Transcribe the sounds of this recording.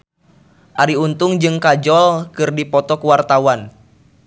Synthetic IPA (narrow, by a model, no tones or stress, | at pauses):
ʔaɾiunt̪uŋd͡ʒɨŋkad͡ʒɔlkɨrdipɔt̪ɔkuwart̪awan